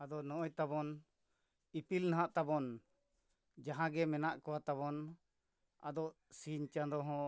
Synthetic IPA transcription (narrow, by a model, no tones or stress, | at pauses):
ad̪ɔnɔʔɔjt̪aβɔn | ipilnaɦãʔt̪abɔn | d͡ʒaɦãɡɛmɛnaʔkɔwat̪aβɔn | a̰d̪ɔʔ | siɲt͡ʃad̪ɔɦɔ̃